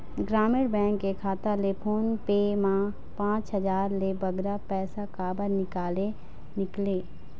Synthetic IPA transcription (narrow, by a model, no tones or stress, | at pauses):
ɡɾaːmɪɽbɛ̃ːŋkːekʰaːt̪alepʰoːnpeːmã | pãːt͡ʃɦɐd͡ʒaːɾlebɐɡɾapɛːsakaːbəɾnɪkaːle | nɪkleː